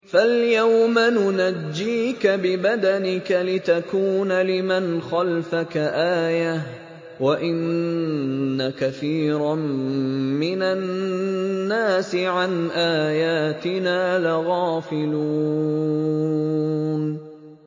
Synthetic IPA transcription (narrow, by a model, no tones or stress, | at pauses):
faljawmanʊnad͡ʒːiːkabɪbad̪anɪkalɪt̪akuːnalɪmanxalfakaʔaːjah | waʔɪnː | akaθiːɾˤɑ | mɪna | aːsɪʕanʔaːjaːt̪ɪnaːlaɣɑːfɪluː | n